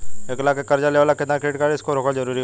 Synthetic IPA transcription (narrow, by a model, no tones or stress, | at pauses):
eːklaːkekɐɾd͡ʒaleʋaːlaket̪nakʰeːʈkaɾeɪskoɾoːkəɽzɐɾuːɾi